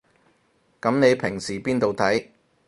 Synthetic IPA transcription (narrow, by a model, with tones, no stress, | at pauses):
kɐ˨˧˥mne˨˧jpʰɪ˨˩ŋsiː˨˩piː˥nt̪o˨wt̪ʰɐ˨˥j